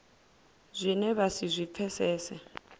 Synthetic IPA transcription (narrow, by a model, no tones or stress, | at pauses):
zʷinɛβasizʷip̪fʰɛsɛːsɛ